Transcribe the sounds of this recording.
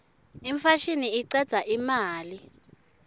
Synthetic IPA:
iɱfaʃiniiǀɛ̥z̥ʱaʔimaːli

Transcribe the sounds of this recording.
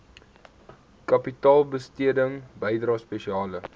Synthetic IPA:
kɐpitɑːlˠbəstiədəŋbəjdrɑːspeʃiɑːlə

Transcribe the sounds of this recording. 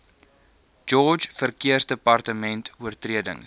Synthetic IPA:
d͡ʒɔd͡ʒfərkiərsdəpɐrtəmɛntuərtriədə̰ŋ

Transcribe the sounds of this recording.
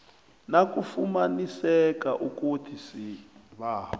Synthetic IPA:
nakufumanisɛkaʔukutʰisiβaːɔ

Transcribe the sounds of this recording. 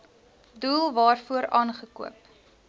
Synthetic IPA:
duːlˠvɑːrfuəɾɑːnχəkṵəp

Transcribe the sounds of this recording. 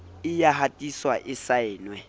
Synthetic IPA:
ɪjaɦatʼiswaʔɪsaɪːnwɛ

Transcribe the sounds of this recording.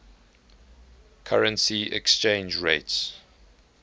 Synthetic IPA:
kʰaɹə̃nsiɛ̰kst͡ʃẽɪ̃nd͡ʒɹeɪts

